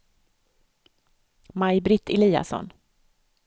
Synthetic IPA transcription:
majbɾɪt̪ːɪliːa̰sɔ̰n

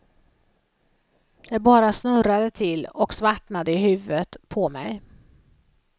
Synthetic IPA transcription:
j̪ɑbɑːɾasnɵɾad̪ət̪ʰɪlːɔksvaʈɳad̪əɪhʉ̟ːvət̪pʰɔmɛ̰j

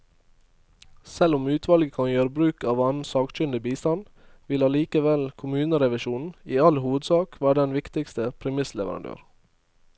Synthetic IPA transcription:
sɛlʊmʉːt̪ʰʋɑlɡəkʰɑnjøːɾəbɾʉːkɑːʋɑnn̩sɑːkt͡ʃʏnd̪ɪbiːst̪ɑn | ʋɪlɑliːkəʋɛlkʰʊmʉːnəɾɛʋɪʃuːnn̩iːɑlhuːʋəd̪sɑːkʋæːɖɖ̪ɛnʋɪkt̪ɪkst̪əpʰɾɛmɪslɛʋəɾʔɑ̰nd̪ø̰ːɾ

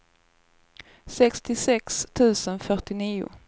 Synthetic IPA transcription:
sɛkst̪ɪsɛkst̪ʰʉ̟ːsənfœʈɪniːʊ̰

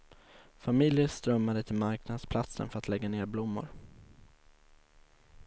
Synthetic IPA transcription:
famɪljəst̪ɾœmːad̪ət̪ʰɪlmaɾknad̪spʰlat̪sə̰nfœɾat̪lɛɡːaneːɾblʊmːʊ̰ɾ

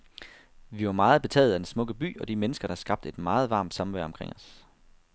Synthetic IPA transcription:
ʋiʋɑ̈mɑ̈ːð̞̩ˠb̥e̝t͡sʰɛ̰ːð̞̩ˠæd̥ensmɔ̽ɡ̥əb̥y̰ːɒ̽d̥imenəsɡ̥ɐɾ̥ɑ̈hsɡ̥ɑ̈b̥̚d̥e̝d̥mɑ̈ːð̩ˠʋɑ̈ːmd̥sɑmʋæɐ̰ɒ̽mkʰʁḛŋ̰ɒ̽s

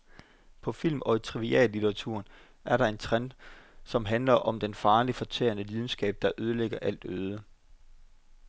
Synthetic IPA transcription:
pʰɒ̽fil̰mɒ̽it͡sʰʁiʋiɛ̰ːlːit͡sʰeʁɑ̈t͡sʰṵɐ̰n | æɐɾɑ̈e̝nt͡sʰʁand̥sɒ̽mɦænlɐʔɒ̽md̥enfɑ̈ːlifɒ̽t͡sʰḛːɐnəliðˠn̩sɡ̥ɛ̰ːb̥̚d̥ɑ̈ʔøð̞ˠəleɡ̥ɐʔæl̰d̥øːð̞ˠə

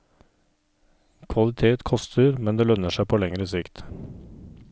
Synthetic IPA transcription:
kʰʋɑlɪt̪ʰeːt̪kʰɔst̪ʰəɾmɛnd̪eːlœnəʃæɪpʰoːlɛŋɾəsɪkt̪

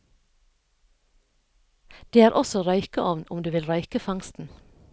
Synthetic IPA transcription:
d̪̥eːæːɾʔɔsɔɾœʏkəʔɔʋnʊmd̪ʉːʋɪlɾɑʏkəfɑŋst̪n̩

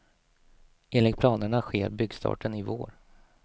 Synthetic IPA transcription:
ʔeːnlɪk̚pʰlɑːnəɳaɧeːɾbʏɡst̪ʰɑ̰ːʈənɪvo̰ːɾ

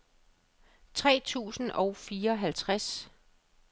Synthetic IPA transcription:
t͡sʰʁɛ̰ːt͡sʰṵːsn̩ʔɒ̽ʊfiːɐɒ̽ɦælt͡sʰʁas

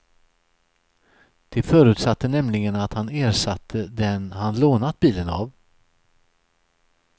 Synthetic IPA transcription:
d̪̥ɛfœːɾʉ̟ːt̪sat̪ːənɛmlɪɡənat̪haneːɾʂat̪ʰːəd̪ɛnhanloːnat̪̚biːləna̰v

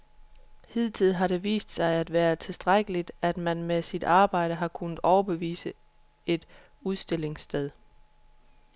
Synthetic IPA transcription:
hið̰ˠt͡sʰið̰ˠɦɑ̈ɾe̝ʋḭːsd̥sɑ̈ɪæd̥ʋæːɐt͡sʰe̝lsd̥ʁaɡ̥əlid̥æd̥mænmesid̥ɑ̈ːb̥ɑ̈ɪ̰ɾ̥əɦɑ̈kʰunð̩ˠɒʊɐb̥e̝ʋḭːsə | e̝d̥ | uðˠsd̥e̝l̰e̝ŋsd̥eð̞ˠ

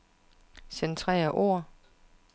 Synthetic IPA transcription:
sent͡sʰʁɛ̰ːɐʔo̝̰ɐ̰

